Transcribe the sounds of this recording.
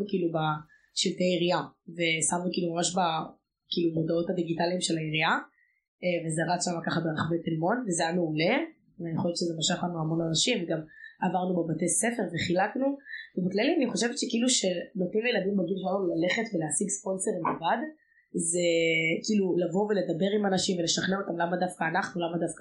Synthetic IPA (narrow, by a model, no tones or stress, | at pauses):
ukiːluba | ʃiltejaiʁiave̞samnukiːlumamaʃba | kiːlumo̞dao̞thad̪iɡitaliːmʃe̞laiʁia | vezeaʁat͡sʃamakaχabeʁaχavejtelmo̞nvezejameule̞ | veaniχoʃevet͡ʃʃezemaʃaχlanuamo̞nanaʃimveɡamavaʁnubebatejse̞fe̞ʁveχilaknuvebiklajlianiχo̞ʃe̞vetʃekiiluʃe̞notimljeladimaɡinʃalamulale̞χetveleasiɡspo̞nse̞ʁimlevad | zekiːlulavo̞vele̞d̪abe̞ʁimanaʃimveleʃaχneo̞t̪amlamadafkaːnaχnulamadafka